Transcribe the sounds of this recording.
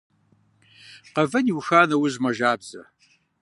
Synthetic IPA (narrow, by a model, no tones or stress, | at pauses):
qɐvɐnjiwxaːnɐwəzmɐʒaːbz̥ɐ̰